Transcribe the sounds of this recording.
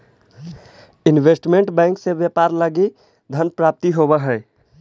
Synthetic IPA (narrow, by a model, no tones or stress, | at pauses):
ɪnweːsʈmẽɳʈbɛ̃ːŋkseʋjəpaːɾləɡi | d̪ʱənpɾaːp̚t̪iɦobaɦɛː